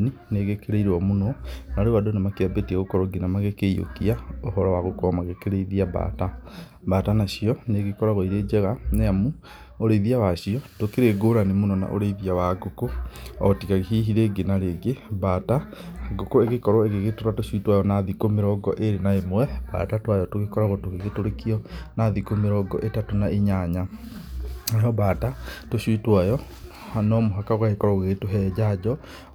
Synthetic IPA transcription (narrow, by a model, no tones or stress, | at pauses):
nineɣekeɾeiɾɔmunɔnaɾeβadonemakeabetiaɣokɔɾoɡenamaɣekeijo̰kiaoɦɔɾɔwaɣokɔmaɣekeɾeiðiaba̰ta | baːtanaɕiɔneɣekɔɾaɣɔiɾed͡ʒɛɣaneamu | oɾeiðiawaɕiɔtokeɾeɡoɾanemunɔna̰ʔo̰ɾeiðiawaɡokoɔtikaɣiɦiɦiɾeɡenaɾeɡebataaɡokoeɣekɔɾɔeɣeɣetoɾatoʃuitwajɔnaðikomeɾɔɡɔʔeɾenaemwɛba̰tatwajɔtoɣekɔɾaɣɔtoɣeɣetoɾekiɔnaðikomeɾɔɡɔ̰ʔetatonaʔeɲaɲa | aɔbatatoɕwitwajɔ | anɔmoɦakaɣaɣekɔɾɔɣeɣetoɦɛːd͡ʑad͡ʑɔ